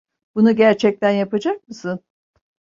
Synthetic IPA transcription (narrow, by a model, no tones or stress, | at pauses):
bunuɟæɾt͡ʃʰɛc̚t̪ʰænjapad͡ʒak̚mɯsɯn